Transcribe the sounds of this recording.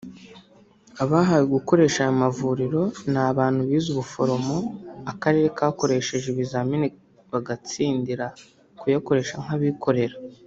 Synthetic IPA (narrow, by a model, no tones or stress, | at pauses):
aβaːɦajeɡuko̞ɾe̞ːʃajomavuːɾiɾo̞naβaːn̥huβiːzuβufo̞ɾo̞mo̞akaɾe̞ːɾe̞kaːko̞ɾe̞ʃe̞ʒeβizamine | βaɡat͡siːndiɾa | kujako̞ɾe̞ːʃaŋ̥aβikʰo̞ɾe̞ɾa